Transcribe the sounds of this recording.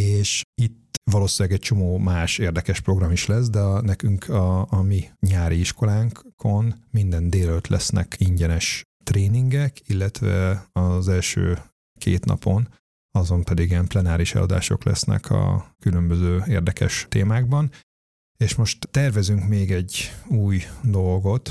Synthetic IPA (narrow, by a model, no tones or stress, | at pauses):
eːʃit̪ʋɒloːsilɛɡɛc̚t͡ʃo̞moːmaːʃeːrd̪ɛkɛʃpro̞ɡrɒmiʃlɛs̬d̪ɛnɛkyŋkʰɒːmiɲaːɾʔiiʃko̞laːŋkkʰo̞nmind̪ɛnd̪eːløt̪lɛ̰snɛ̰kiɲɟɛnɛʃ | t̪reːniŋɡɛkilːɛt̪ʋɛ̰ɒzɛlʃø̰ː | kḛːt̪nɒ̰po̞n | ɒzo̞mpɛd̪iɡiɛmplɛnaːɾiʃɛ̰lɒ̰d̪a̰ːʃo̞̰klɛ̰snɛ̰kʰɒ̰kylømbøzøːeːrd̪ɛkʰɛ̰ʃt̪eːmaːɡbɒn | eːʃmo̞ʃt̪ːɛrvɛzyŋkmeːɡɛɟːuːjd̪o̞lɡo̞t̪